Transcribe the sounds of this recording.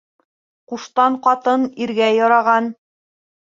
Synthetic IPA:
quʃt̪ɑɴqɑt̪ɤniɾɡæjɒɾɑʁɑn

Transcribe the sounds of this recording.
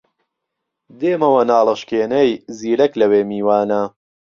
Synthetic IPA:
d̪eːmɐwɐnaːlˠɨʃkeːnɐjziːlɐklɐweːmiːwaːnɐ

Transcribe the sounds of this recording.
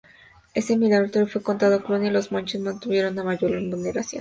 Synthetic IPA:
esemilaɣɾot̪eɾofwe̞ko̞nt̪aðokɾunjialo̞zmont͡ʃesmãnt̪uβje̞ɾo̞namaʝolembulneɾasjo̰n

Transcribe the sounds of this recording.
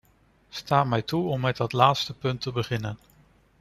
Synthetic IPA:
staːmɛjtuɔmːɛt̚dɑtlaːtstəpɵntəbəχɪnən

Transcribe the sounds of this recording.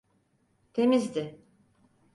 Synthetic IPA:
t̪ʰe̞mizd̪ɪ

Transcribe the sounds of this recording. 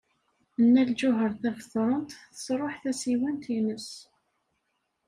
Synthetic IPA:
ənːæld͡ʒʊɦəɾθævəθɾˤənt̪θə̥sˤɾˤoħθæsiwænt̪inəs

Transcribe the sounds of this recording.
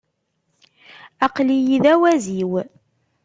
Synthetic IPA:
ɑqlijiðæwæziw

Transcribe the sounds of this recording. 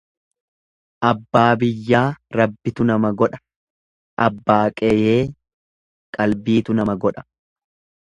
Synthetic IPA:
ʔɐbːaːbɪjːaːɾɐbːɪt̪ʊnɐmɐɡɔᶑɐ̥ | ʔɐbːaːkʼɛjeː | kʼɐlbiːt̪ʊnɐmɐɡɔᶑɐ̥

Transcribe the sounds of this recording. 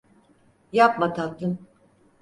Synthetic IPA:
japmat̪ʰak̚t̪ʰɯn

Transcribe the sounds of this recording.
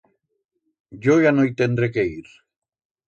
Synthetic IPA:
ʝojanojt̪end̪ɾekeiɾ

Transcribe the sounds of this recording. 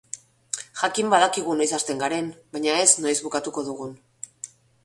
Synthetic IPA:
xakimbaðakiɣ̞unojsast̪e̞ŋɡaɾe̞nbaɲae̞snojzβukat̪uko̞ðuɣ̞un

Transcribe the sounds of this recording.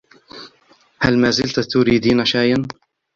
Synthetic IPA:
halmaːzɪlt̪at̪ʊɾiːd̪iːnaʃaːjan

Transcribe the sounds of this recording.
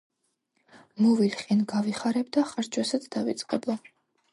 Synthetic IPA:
mɔvit̪χʼinɡaviχaɾɛbd̪aχaɾt͡ʃʰwɛsat̪sʰd̪avit̪sʼqʼɛblˠɔ

